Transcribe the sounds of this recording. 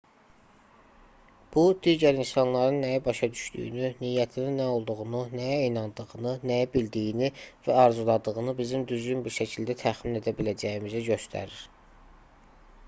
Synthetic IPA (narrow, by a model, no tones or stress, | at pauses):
b̥ud̪iːɟæɾinsɑnlˠɑɾɯnːæjæbɑʃɑd̪yʃd̪y̰jy̰nyniːjæt̪ʰininːæo̞lˠd̪uɣununæjæinɑnd̪ɯʁɯnɯnæjæbild̪ijinivæɑɾzulˠɑd̪ɯɣɯnɯbizimd̪yzɟynbiɾʃæcʰild̪æt̪ʰæχmine̞d̪æbilæd͡ʒæjimizæɟø̞st̪ʰæ̰ɾiɾ̥